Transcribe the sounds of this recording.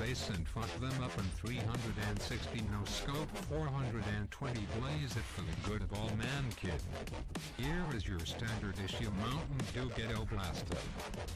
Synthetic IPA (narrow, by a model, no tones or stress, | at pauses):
ðeɪsɨ̃nfʌk̚ðə̃mʌpɨ̃nθɹiɦʌ̃ndɹɨɾɨ̃nsɪkstinoʊskoʊpfɔɹɦʌ̃ndɹɨɾɨ̃ntʰw̥ɛ̃ntibleɪzɨtfə˞ðɨɡʊɾʌvɔlˠmæ̃nkʰɪd | hiɹɪzjə˞stæ̃ndə˞ɾɪʃjɨmãʊ̃nʔn̩duɡɛɾoʊblæstɨ̰